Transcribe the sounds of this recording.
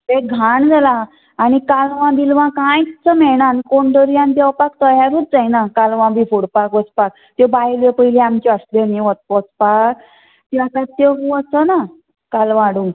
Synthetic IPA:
t̪eɡʱaɳd͡zʱalaː | ɽ̃ikalʋãd̪ilʋãkãjt͡səmɛɽ̃ankoɳɖəɾjãnd̪ɛwpakt̪əjaɾuːt̪̚d͡zajnakalʋãbifuɽpakʋət͡spak̚ | t̪jebajlepəjleamt͡ɕeəsleniʋət̪̚pɔt͡spak | t̪iat̪ãt̪ːeɦuəsəna | kalʋãɽũ

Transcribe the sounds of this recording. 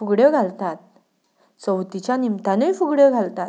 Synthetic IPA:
fuɡɽjəɡʱalt̪at̪̚ | t͡səwt̪it͡ɕjanimt̪anəjfuɡɽjəɡʱalt̪at̪

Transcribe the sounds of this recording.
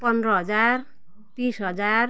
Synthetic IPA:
pʌnd̪ɾʌɦʌd͡zar | t̪isɦʌd͡zar

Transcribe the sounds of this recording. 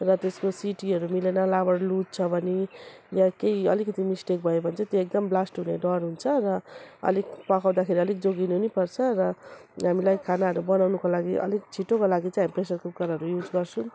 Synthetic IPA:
rʌt̪eskosiʈiʌɾumilenʌlabʌɽlut̪̚t͡sʰʌbʱʌnijakejʌlikʌt̪imisʈek̚bʱʌjobʱʌnt͡sʰʌt̪joek̚d̪ʌmblasʈɦuneɖʌrɦunt͡sʰʌrʌʌ̰likpʌkʰaw̃d̪akʰeɾiʌlik̚d͡zoɡinunipʌrt͡sʰʌrʌɦamilajkʰanaɦʌɾubʌnawnukolaɡiʔʌ̰lik̚t͡sʰiʈːokolaɡit͡sãjɦamipresʌrkup̚kʌɾɦʌɾujud͡zɡʌrt͡sʰũ

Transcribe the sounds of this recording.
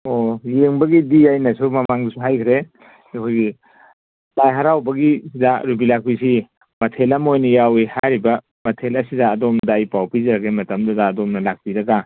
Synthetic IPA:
ojeŋbɐɡidijajnɐsumɐmaŋdisuɦajkʰɾe | ekʰojɡi | lajɦaɾawbɐɡisidaɾubilak̚pisi | mɐtʰelɐmojnɐjawihajɾibɐ | mɐtʰelɐsidɐːdomnɐdaːjpawpizɾaɡemɐtɐmdɐdɐːdomnɐlak̚piɾɐɡa

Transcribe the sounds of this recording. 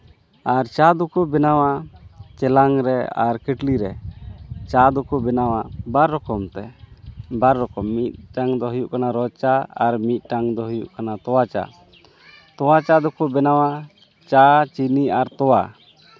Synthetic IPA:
aɾt͡ʃad̪ɔkubɛnawat͡ʃɛlaŋɾɛa̰ɾkɛʈliɾɛ | t͡ʃad̪ɔkubɛnawabaɾːɔkɔmt̪ɛ | baɾːɔkɔmːit̪̚ʈaŋd̪ɔɦujuʔkanaɾɔt͡ʃaaɾmit̪̚ʈaŋd̪ɔɦujṵʔkanat̪ɔwat͡ʃa̰ | t̪ɔwat͡ʃad̪ɔkubɛnawa | t͡ʃat͡ʃiniaɾt̪ɔwa

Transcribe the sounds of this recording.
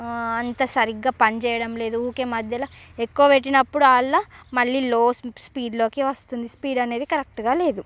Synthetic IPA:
ɐnt̪ɐsɐɾiɡːaːpɐnt͡ʃɛːjɐɽɐmle̞ːd̪uuːkeːmɐd̪ʱjɐlɐekːuʋɐʋe̞ʈːinɐpːuɽuaːɭːamɐɭːiːloːspiːɖlo̞ːkiʋɐst̪und̪ispiːɖɐne̞ːd̪ikɐɾek̚ʈɡaːle̞ːd̪u

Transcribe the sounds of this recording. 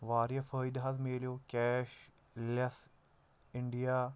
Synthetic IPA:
ʋaːɾjɐfəːjd̪ɦɐzmeːljokʲɛːʃ | lɐs | ɪɳɖijaː

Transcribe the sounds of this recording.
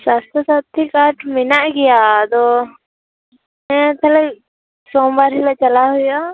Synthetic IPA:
saːst̪asaːt̪ʰːikaːʈʰmɪnaʔɡɪjat̪o | mɛ̃t̪ʰɐlək | sɔ̃ːbaɾɦilat͡ʃəlaɦʊja

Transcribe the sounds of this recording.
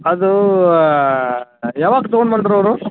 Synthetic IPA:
ɐd̪u | jaːʋaːɡt̪ɔɡɔɳɖmaːɳɖiɾɐʋɾu

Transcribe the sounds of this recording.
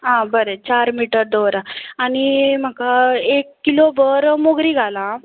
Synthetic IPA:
ɦãbəɾət͡ɕaɾmiʈəɾd̪ɔʋɾaaɽ̃im̤akaekːilobəɾmoɡɾiːɡʱalã

